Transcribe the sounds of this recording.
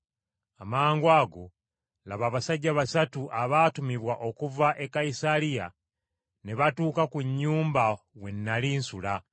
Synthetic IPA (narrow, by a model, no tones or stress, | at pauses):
amaːŋɡwaːɡo̞ | laβaːβasaɟːaβasatuʔaβaːtumiβwaʔo̞kuvaʔe̞kːaisalija̰ | ne̞βatuːkakuɲːuːmba | we̞nːaliːnsula